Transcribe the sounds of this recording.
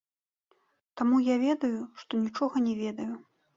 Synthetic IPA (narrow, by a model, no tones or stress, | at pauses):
t̪amujavʲɛd̪ɐjuʂt̪ɔnʲit͡ʂɔɣɐnʲɛvʲɛd̪ɐju